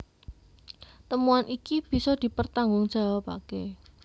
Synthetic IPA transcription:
t̪əmuanʔikib̥i̤sɔd̪̥i̤pərt̪aŋɡʊŋd̥ʒ̥a̤wapa̰ke

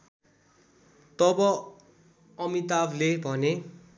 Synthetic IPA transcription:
t̪ʌbʌ | ʌmit̪ablebʱʌne

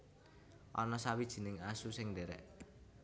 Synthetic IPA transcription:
ʔɔnɔsawid̥ʒ̥i̤nɪŋasusɪŋdeɾɛ̰ʔ

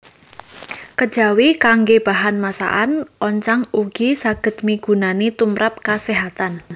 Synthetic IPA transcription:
kəd̥ʒ̥a̤wikaŋɡeb̥a̤ɦanmasa̰ʔanʔɔɲt͡ʃaŋuɡ̥isaɡ̥ə̤d̪̥̚miɡ̥ṳnanet̪umɾap̚kaseɦat̪an

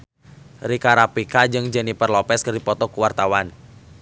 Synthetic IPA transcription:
rikaɾapikad͡ʒɨŋd͡ʒənipərlɔpɛskərdipɔt̪ɔkuwart̪awan

